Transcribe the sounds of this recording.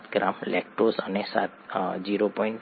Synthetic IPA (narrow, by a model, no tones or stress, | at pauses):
t̪ɡɾamlʔekʈrosʌnesa̰t̪̚d͡ziɾopɔjɳʈ